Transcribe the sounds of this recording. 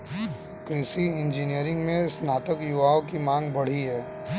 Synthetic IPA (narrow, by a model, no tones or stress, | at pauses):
kɾɪsiɪ̃nd͡ʒinijəɾɪ̃ŋɡmẽsnaːt̪əkjʊʋaːõkimãːŋɡbɐɽ̤iɦɛː